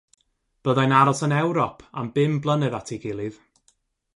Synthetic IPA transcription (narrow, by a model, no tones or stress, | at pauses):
b̥əðajnaɾɔsənɛwɾɔpʰa̰mbɪmblˠənɨðatʰiɡɪlˠɨð